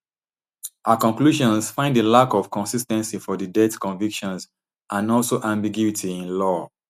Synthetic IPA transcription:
ʔakɔ̃ŋkluʃɔ̃nsfãɪ̃ndəlakɔv̥kɔ̃nsistɛ̃nsifɔdədɛtkɔ̃ɱvikʃɔ̃ns | ʔãnɔlsoʔãmbiɡjuitʰiĩnlɔ

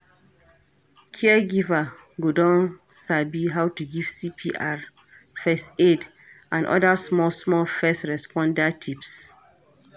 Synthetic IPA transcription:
kʰiɛɡiva | ɡodɔ̃nsabiɦawtuɡiv̥sipʰiʔaɹ | fɛsted | ãnʔɔ̰dasmɔlsmɔlfɛsɹɛspʰɔ̃ndatʰips

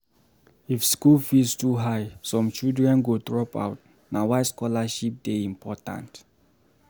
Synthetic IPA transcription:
ifskulfilstuɦajsɔ̃mt͡ʃidɹɛ̃nɡodɹɔpa̰wt̚ | nawajskɔlaʃip̚d̥eĩmpʰɔtã̰nt

